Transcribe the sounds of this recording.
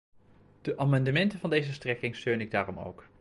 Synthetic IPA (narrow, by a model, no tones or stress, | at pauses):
d̥əʔaːmɑndəmɛntəvɑndejzəstrɛkɪŋstøɥnɪɡ̚daːrɔmo̰wk